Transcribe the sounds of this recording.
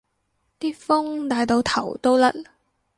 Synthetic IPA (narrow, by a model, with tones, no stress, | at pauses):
t̪iː˥fʊ˥ŋt̪aː˧jt̪o˨˧wt̪ʰɐ˨˩wt̪o˥wlɐ˦˥t̚